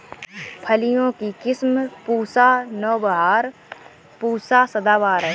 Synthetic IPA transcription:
pʰəlijõkikɪsmpuːsanɔːbɐɦaːɾ | puːsasəd̪aːʋaːɾɛ

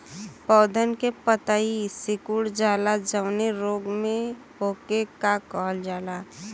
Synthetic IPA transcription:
pɔːd̪ʱənkepət̪aisɪkuɽd͡ʒaːlad͡ʒəʋneɾoːɡmẽ | ɦoːkekakɔɦəld͡ʒaːla

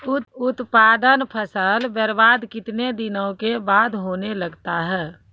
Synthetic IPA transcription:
ʊt̪ʊt̪paːd̪ənpʰəsəlbəɾbaːd̪kɪt̪ned̪ɪnə̃kebaːd̪ɦoːneləɡt̪aɦɛː

